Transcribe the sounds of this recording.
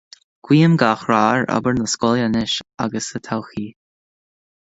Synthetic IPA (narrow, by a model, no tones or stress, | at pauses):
ɡ̥wiːəmɡaxɹaːɹə̰bəɹnəskɔljənɪʃa̰ɡəsət̪ʰawxiː